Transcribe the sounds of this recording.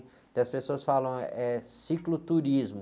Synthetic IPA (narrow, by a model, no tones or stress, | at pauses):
t̪ɐspesoɐsfalɐ̃w̃ɛsiklʊt̪uɾizmʊ